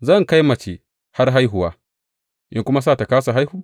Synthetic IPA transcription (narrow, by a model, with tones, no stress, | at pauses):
zɐ˦˨ŋka˦jmɐ˨t͡ʃe˨ | ha˦rɦa˦jɦʊ˨waː˦ | ʔɪ˦ŋkʷʊ˦ma˦s̬aː˦˨ta˨kaː˦s̬a˨ɦa˦jhuː˨